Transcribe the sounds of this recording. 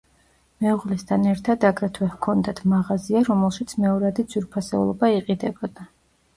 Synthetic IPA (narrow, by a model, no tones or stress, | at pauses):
mɛuʁlɛst̪ʰanɛɾt̪ʰad̪aɡɾɛt̪ʰwɛhkʰɔnd̪at̪ʰmaʁaziaɾɔmɛlˠʃit̪sʰmɛɔɾad̪id̪z̥wiɾpʰasɛulˠɔbaiqʼid̪ɛbɔd̪a